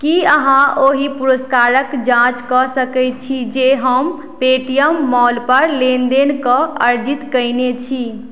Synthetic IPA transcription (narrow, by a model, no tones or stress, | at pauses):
kiəɦãoɦipuɾəskaɾəkd͡ʒãt͡ʃkɔsəkɛɪt̪̚t͡ʃʰid͡ʒeɦəm | peʈijəmːɔlpəɾlend̪enkəə̰ɾd͡ʒit̪kəjnet͡ʃʰi